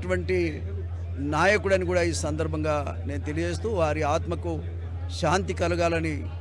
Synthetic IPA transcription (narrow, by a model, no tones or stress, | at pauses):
ʈuʋɐɳʈi | naːjɐkuɽɐnikuːɽaːiːsɐnd̪ɐɾbʱɐŋɡaː | ne̞ːnut̪e̞liɐd͡ʒe̞ːs̬t̪uːʋaːɾiaːt̪mɐku | ʃaːnt̪̬ikɐluɡaːlɐni